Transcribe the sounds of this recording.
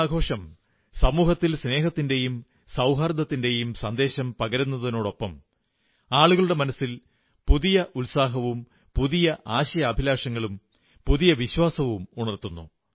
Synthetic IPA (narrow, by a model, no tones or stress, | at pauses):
aːɡʱo̞ːʂɐm | sɐmuːɦɐt̪ːilsne̞ːɦɐt̪ːinde̞jum | sɐwɦɐrd̪ʱɐt̪ːinde̞jumsɐnd̪e̞ːɕɐmpɐɣɐɾunːɐðɐno̞ːɽo̞pːɐm | aːɭuɣɐɭuɽe̞mɐnɐsil | puðijɐʔulsaːɦɐʋum | puðijɐʔaːɕɐjɐːbʱilaːʂɐŋːɐɭum | puðijɐʋiɕwaːsɐʋumuɳɐrt̪ːunːṵ